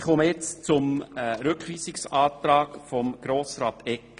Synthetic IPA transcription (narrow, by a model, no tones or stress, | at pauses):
χɔməjɛt͡st͡sʊmɾʏkχʋiːsɪksɑːt̪ɾɑːkfɔmɡ̥ɾoːsɾɑːt̪ʰɛkː